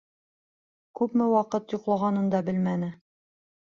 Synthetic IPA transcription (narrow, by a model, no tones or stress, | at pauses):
kʉpmɘwɑqɤt̪juqlˠɑʁɑnɤ̆nd̪ɑbɘlmænɘ